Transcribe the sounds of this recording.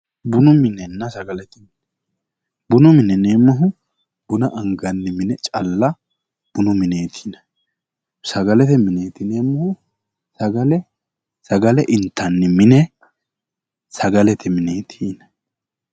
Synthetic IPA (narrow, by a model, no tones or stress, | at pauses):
bʊnʊmɪnɛnːɐsɐɡɐlɛt̪ɛmnɛ | bʊnʊmɪnɛneːmːɐɦʊ | b̥ʊnɐʔɐŋɡɐnːɪmɪnɛt͡ʃʼɐ̰lːɐ | b̥ʊnʊmɪne̞ːt̪ʰinɐ | sɐɡɐlɛt̪ɛmɪne̞ːt̪ɪneːmːɐhʊ | sɐɡɐlɛ | sɐɡɐlɛʔɪnt̪ːɐnːɪmɪnɛ | sɐɡɐlɛt̪ɪmɪneːt̪ʰiːnɐ